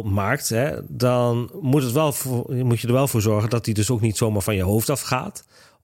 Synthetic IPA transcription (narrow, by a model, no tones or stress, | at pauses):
maːk̚tɦɛdɑnmutətʋɛlˠvmucjədəɹʋɛlˠvʊːɹzɔɹχəndɑtdidɵsowknitsowmaːɹvɑnjəwɦowftɑfχa̰ːt